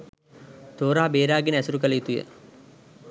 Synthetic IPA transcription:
t̪oːɾaɦabeːɾaːɡenəæsuɾukələit̪ujə̰

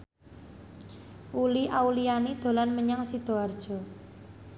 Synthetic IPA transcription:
ʔuliʔaulianid̪̥o̤lanməɲaŋsid̪̥o̤ard̥ʒ̥ɔ̤

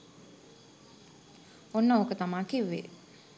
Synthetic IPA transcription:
onːəokət̪amaːkiʋːḛ

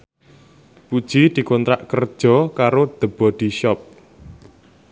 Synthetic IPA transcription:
pud̥ʒ̥id̪̥i̤kɔnt̪ɾaʔkərd̥ʒ̥ɔ̤kaɾod̪̥ə̤b̥ɔ̤d̪̥i̤ʃɔp̚

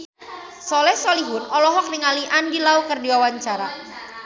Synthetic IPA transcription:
sɔlɛhsɔliɦʊnɔlɔɦɔk̚nɪŋaliʔandilaukərdiwawaɲt͡ʃaɾa

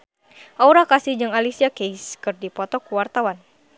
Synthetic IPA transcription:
ʔauɾakasihd͡ʒɨŋalisiakejskɨrdipɔt̪ɔkuwart̪awan

